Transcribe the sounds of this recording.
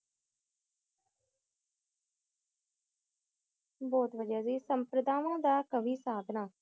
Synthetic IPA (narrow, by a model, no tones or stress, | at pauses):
bɔːt̪ʋəd͡ʒaːziːsəmpɾəd̪aːʋãːd̪aːkəʋiːsaːd̪ʱnaː